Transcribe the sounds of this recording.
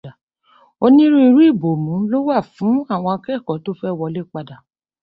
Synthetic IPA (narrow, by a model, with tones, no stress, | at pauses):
a˨ | o˧nĩ˦ɾũ˦i˧ɾu˦i˦˨bo˨mũ˨˦lo˦wa˦˨fũ˨˦a˦˨w̃ɔ̃˧a˧kɛ˦˨kɔ˨˦to˦fɛ˦˨wɔ˧le˦k͡pa˧da˨